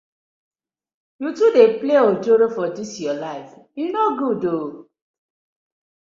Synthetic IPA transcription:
jutudepleɔd͡ʒoɾofɔdisjɔlaɪfinoɡudo

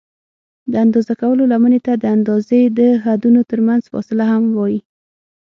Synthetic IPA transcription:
d̪əand̪ɑzakawəlolamənet̪ad̪əand̪ɑzed̪əɦad̪unot̪əɾmanz̥fɔ̰sɪlaɦamwɑji

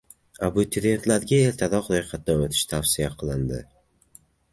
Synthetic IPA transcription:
abut̪ʰɪɾe̞nt̪ʰlaɾɡʲae̞lt̪ʰaɾɒqlojqʰɑt̪̚d̪aot̪ʰɪ̥ʃt̪ʰafsɪjaqʰɨlˠɪnd̪ɪ̰

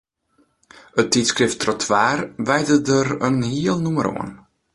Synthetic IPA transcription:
ətitskrɪftrɔtʰʋaːrʋɛjdədəɾənhiəlˠnuməɾo̰ən

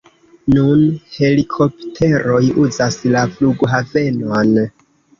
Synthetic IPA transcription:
nunhe̞likʰo̞ptʰe̞ɾo̞juzaslafluɡoɦave̞non

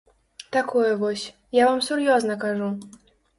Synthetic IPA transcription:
t̪akwɛvɔɕ | javamsuɾjɔznakaʐu

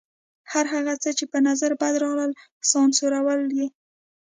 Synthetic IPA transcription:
haɾɦaɣat͡sət͡ʃepənazaɾbad̪ɾɑɣləl | sɑnsoɾawəlje

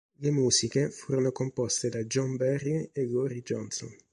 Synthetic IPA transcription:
lemuːsikefuːɾonokompɔst̪ed̪ad͡ʒɔmbɛrieɡɔɾid͡ʒɔnsɔ̰n

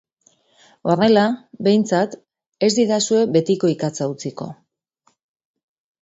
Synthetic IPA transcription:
o̞re̞labe̞jnt͡sat̪ | e̞zd̪iðasue̞be̞t̪iko̞ikat͡saut͡siko̞̰

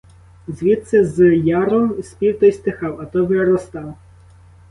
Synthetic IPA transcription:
zʋʲit̪sɛzjɑɾɔsʲpʲiwt̪ɔjst̪exɑwɐt̪ɔʋeɾɔst̪ɑw

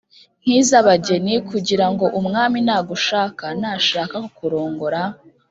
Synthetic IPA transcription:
n̥hiːzaβaɟe̞nikuɟiɾaŋɡo̞ʔumŋaːminaːɡuʃaːkanaʃaːkakokuɾo̞ːŋɡo̞ɾa

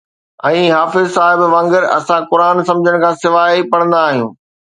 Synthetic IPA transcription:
ɛ̃ːɦaːfɪzsaːɦɪbʋɐ̃ŋɡəɾɐ̰sãkʊɾaːnsɐ̃md͡ʑʱəɽ̃kʰãːsɪʋaːipɐɽ̃ə̃nd̪aːɦijũː

